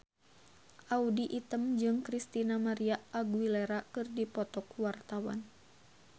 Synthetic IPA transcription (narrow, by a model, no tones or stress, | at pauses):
ʔaudiʔit̪əmd͡ʒɨŋkɾist̪inamaɾiaːɡwilɛɾakɨrdipɔt̪ɔkwart̪awa̰n